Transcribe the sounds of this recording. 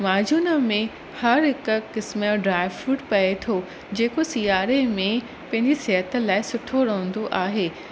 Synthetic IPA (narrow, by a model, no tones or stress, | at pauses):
maːd͡ʑʱuːnəmẽ | hɐɾɦɪkkɪsmːɖɾaːɪʋfuːʈpɐet̪ʰo | d͡ʑeːkosijaːɾemẽ | pɐ̃ɦɪ̃ɲd͡ʑiseɦət̪ə̆laːɪsʊʈʰoɾɐɦə̃n̆d̪oʔaːɦeː